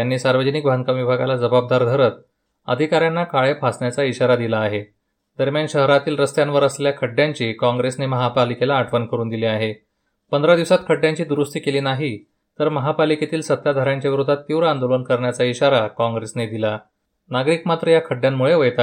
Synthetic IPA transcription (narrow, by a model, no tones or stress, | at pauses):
janːiːsaɾʋəd͡ʑənikbʱaŋkaʋibʱaɡalad͡zəbab̚d̪aɾd̪ʱəɾət̪ | ə̰d̪ʱikaɾjanːakaɭepʰasɳjat͡saiɕaɾad̪ilaːɦe | d̪əɾmjanɕəɦɾat̪iːlɾəst̪jãnʋəɾəsleljakʰəɖjaɲt͡ɕiːkɔ̃ŋɡɾesneməɦapalikelaːʈʰʋənkəɾuːnd̪iliaɦe | pənd̪əɾad̪iʋsat̪̚kʰəɖjaɲt͡ɕiːd̪uɾust̪iːkeliːnaɦi | t̪əɾməɦapaliket̪iːlsət̪ːjad̪ʱaɾaɲt͡ɕjaʋiɾud̪ʱːat̪ːiʋɾəand̪olənkəɾɳjat͡saiɕaɾakãŋɡɾesned̪ila | naɡɾikmat̪ɾəjakʰəɖjamːuɭeʋəjt̪a